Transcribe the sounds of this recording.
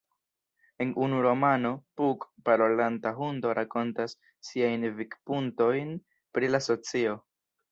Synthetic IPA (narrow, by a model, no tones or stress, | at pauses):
e̞nʔunuɾo̞mano̞pukpaɾolantaɦundo̞ɾʔako̞ntasː | iajnvikpunto̞jn | pɾilaso̞t͡sio̞